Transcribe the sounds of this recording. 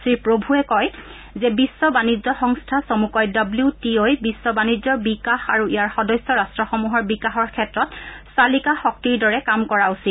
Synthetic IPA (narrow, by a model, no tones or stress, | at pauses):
sɹiɹpɹobʱuɛkɔj | zɛbisːɔbanid͡ʒɔxɔŋstʰasomukɔjdɔbliutiojbisːɔbanid͡ʒzɔbikaxa̰ɹuijaɹxɔdɔjsːɔɹastɹɔxɔmuɦɔɹbikaxɔɹkʰɛtɹɔtsalikaxɔk̚tiɹdɔɹɛkamkɔɹausit